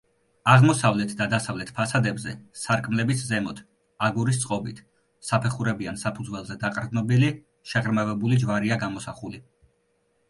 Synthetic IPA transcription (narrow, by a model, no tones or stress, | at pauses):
aʁmɔsavlɛt̪ʰd̪ad̪asavlɛt̪ʰpʰasad̪ɛbzɛsaɾkʼmlɛbiszɛmɔt̪ʰ | aɡuɾist̪sʼqʼɔbit̪ʰ | sapʰɛχuɾɛbiansapʰud̪zwɛlˠzɛd̪aqʼɾd̪nɔbili | ʃɛʁɾmavɛbulid͡ʒvaɾiaɡamɔsaχuli